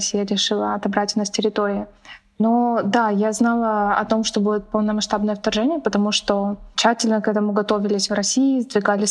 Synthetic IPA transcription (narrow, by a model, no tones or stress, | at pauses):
sʲijəɾʲɪʂɨlˠəɐt̪ɐbɾatʲɪnɐsʲtʲɪɾʲɪt̪o̞ɾʲɪɪ | nod̪ajaznɑlˠəɐt̪o̞mʂt̪o̞budʲɪt̪̚pəlˠnəmɐʂt̪abnəjəɐft̪ɐrʐɛnʲɪjəpət̪ɐmuʂt̪o̞t͡ɕːætʲɪlʲnəkɛt̪əmʊɡɐt̪o̞vʲɪlʲɪsʲvrɐsʲiːɪzd̪vʲɪɡalʲɪsʲ